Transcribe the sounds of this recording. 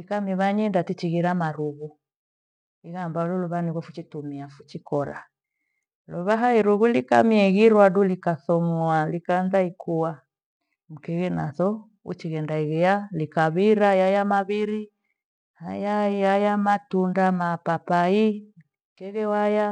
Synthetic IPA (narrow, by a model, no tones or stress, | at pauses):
likamiβaɲɛndatit͡ʃiɣiɾamaɾuɣu | iɣambalɔlɔβaniɣafut͡ʃitumiafu̥t͡ʃikɔɾa̰ | luβaɦaiɾuɣulika̰miaiɣiɾwadulikaθɔmwalikanðaikʰuwa | m̩kɛɣɛnaθɔ | ṵt͡ʃiɣɛndaiɣɛalikaβiɾajajamaβiɾi | hajajajamatundamapapai | m̩kɛɣɛwaja